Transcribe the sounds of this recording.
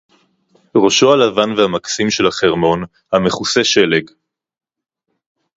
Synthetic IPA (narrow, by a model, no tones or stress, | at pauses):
ʁo̞ʃo̞alavanvehamaksimʃe̞lhaχeʁmo̞n | hame̞χuseʃe̞leɡ